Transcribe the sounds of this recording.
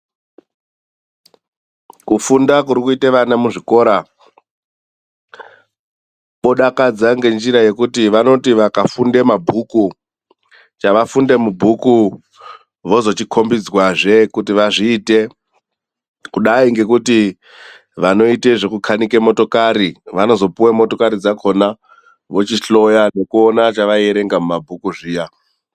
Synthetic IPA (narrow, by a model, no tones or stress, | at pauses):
kufundakuɾikuiteʋanamuʐiko̞ːɾa | ɓo̞ɗakad͡zaŋɡe̞nd͡ʒiɾaje̞kutiʋano̞tiʋakafunde̞mabʱuku | t͡ʃaʋafunde̞mubʱuku | ʋo̞zo̞t͡ʃikʰo̞mbid͡zwaʐe̞kutiʋaʐiːte̞ | kuɗaiŋɡe̞kuti | ʋano̞ite̞ʐe̞kukʰanike̞mo̞to̞kaɾiʋano̞zo̞puwemo̞to̞kaɾid͡zakʰo̞na | ʋo̞t͡ʃiɬo̞jane̞kuonat͡ʃaʋaeɾe̞ŋɡamumabʱukuʐiːja